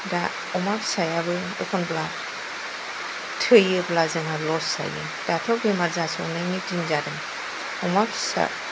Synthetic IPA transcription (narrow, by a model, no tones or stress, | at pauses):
da | ɔmapsajabɯj | ḛkʰɔnbla | tʰɯjɯblazɯŋalɔsa̰jɯ̰ | d̥atʰɔbemaɾzasɔnajnitiŋzadɯn | ɔmabsa̰